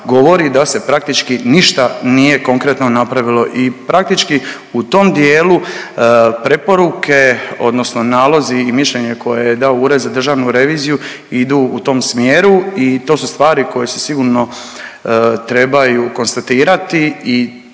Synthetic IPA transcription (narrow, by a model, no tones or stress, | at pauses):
ɡo̞ʋo̞ɾid̪ase̞pɾak̚t̪it͡ʃkiniʃt̪anije̞ko̞ŋkɾet̪no̞napɾaʋilo̞ʔipɾak̚t̪it͡ʃki | ut̪o̞md̪jeːlu | pɾe̞po̞ɾukʰe̞o̞̰d̪no̞sno̞naːlˠo̞ziːmiʃʎeɲeko̞jejed̪aouɾe̞d̪zad̪r̩ʒaːʋnuɾe̞ʋiːziju | id̪uːut̪o̞ːmsmjeːɾuit̪o̞ːsust̪ʋaːɾiko̞jesesiɡuːɾno̞ | t̪ɾe̞bajuko̞nst̪at̪iːɾat̪ii